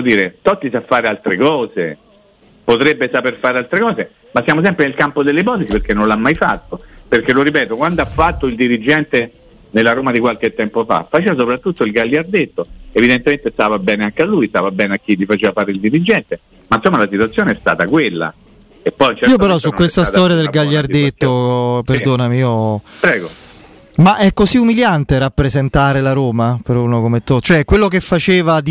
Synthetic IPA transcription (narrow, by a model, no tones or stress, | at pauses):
od̪iːɾet̪ɔt̪ːisafːaːɾealt̪ɾekɔːze | pot̪ɾebːesaperfaːɾealt̪ɾekɔːse | masːjaːmos̬ɛmpɾenelkampod̪elːeipɔːt̪esipeɾkenːõnlamːajfa̰t̪ːoperkeloɾipɛːt̪okwand̪oafːat̪ːoild̪iɾid͡ʒːɛnt̪e | nelːaɾoːmad̪ikwalk̟et̪ːɛmpofa̰fat͡ʃeːvasopɾat̪ːut̪ːoilɡalːjiard̪et̪ːoevid̪ent̪ement̪est̪aːvabɛːneaŋkealːujst̪a̰ːvabɛːneak̟ːilːifat͡ʃeːvafaːɾeild̪iɾid͡ʒɛnt̪e | mansomːalasit̪uat̪sːjoːneɛst̪a̰ːt̪akwelːa̰ | epːɔjnt͡ʃɛiːopeɾɔsːukwest̪ast̪ɔːɾjad̪elɡaʎːaret̪ːoperd̪oːnamiiopɾɛːɡo | maʔɛkːoziumiljant̪eɾapːɾezent̪aːɾelaɾoːmapeɾunokomet̪ːot͡ʃoɛkwelːokefːat͡ʃeːvad̪